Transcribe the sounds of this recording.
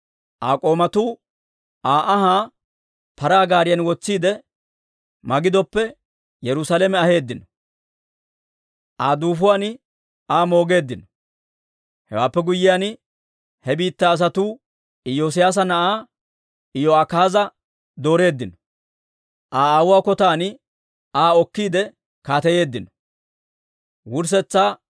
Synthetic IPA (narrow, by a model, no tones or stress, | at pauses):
ʔaːkʼo̞ːmɐt̪uː | ʔaːʔɐɦaː | pɐɾaːɡaːɾɪjɐnwɔt͡sːiːd̪ɛ | mɐɡɪd̪ɔpːɛ | jɛɾʊsalemɛɐhe̞ːd̪ːɪnɔ | ʔaːd̪uːfʊwaːnɪ | aːmo̞ːɡe̞ːd̪ːɪnɔ | hɛ̰waːpːɛɡʊjːɪjaːn | hɛbiːt̪ːaːs̬ɐt̪uː | ɪjoːs̬ɪjaːs̬ɐnɐʔaː | ɪjɔakaːzɐ | d̪o̞ːɾe̞ːd̪ːɪnɔ | ʔaːaːwʊwaːkɔt̪aːnɪ | aːɔkːiːd̪ɛ | kaːt̪ɛje̞ːd̪ːɪnɔ | wʊɾs̬ɛt͡sːaː